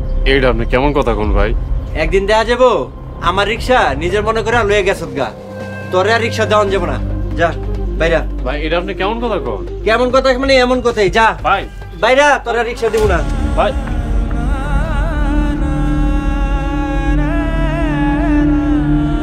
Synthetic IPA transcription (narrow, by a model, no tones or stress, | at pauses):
ejʈaap̚nikɛmonkɔt̪ʰakɔnbʱa̰jɛk̚d̪ind̪ɛkʰad͡ʑabo | amaɾːikʃanid͡ʑeɾmɔnekoɾalojeɡɛsʰot̪̚ɡa̰ | t̪oɾeaɾːikʃad͡ʑaond͡ʑebona̰d͡ʑabʱajɾabʱajejʈaapnikɛmonkɔt̪ʰakɔ̰nkɛmonkɔt̪ʰakmaneɛmonkɔt̪ʰajd͡ʑabʱaj | bʱajɾat̪ɔɾeaɾikʃad̪ibonabʱaj